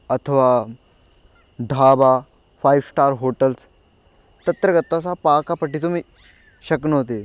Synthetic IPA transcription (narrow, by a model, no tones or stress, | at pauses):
ət̪ʰəʋa | d̪ʱaba | fajʋsʈaɾɦoʈəls | t̪ət̪ɾəɡət̪ːasapakapəʈiːt̪um̤iː | ɕəknəɦot̪̬e